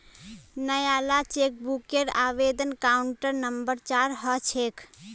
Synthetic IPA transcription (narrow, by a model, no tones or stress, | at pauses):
nəjalat͡ʃek̚bukeɾaːʋed̪ənkauɳʈəɾnəmbəɾt͡ʃaɾɦət͡ʃʰeːkʰ